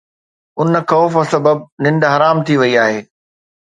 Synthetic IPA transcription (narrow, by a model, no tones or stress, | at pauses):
ʊnəkɔːfəsɐbəb̚nɪ̃nd̪ɦɐɾaːmt̪ʰiʋɐiaːɦeː